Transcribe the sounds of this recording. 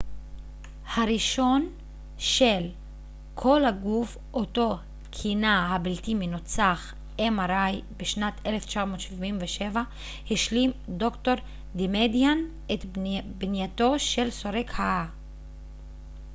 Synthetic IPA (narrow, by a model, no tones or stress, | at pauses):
haɾiʃo̞n | ʃel | kʰo̞lhaɡuf | ʔoto̞ | kʰinahabiltiminot͡saχ | emaɾajbeʃnatʰeleft͡ʃamo̞tʃivimveʃeva | hiʃlimdo̞kto̞ɾ | dimedjan | etbnjato̞ʃe̞lso̞ɾekhaʔa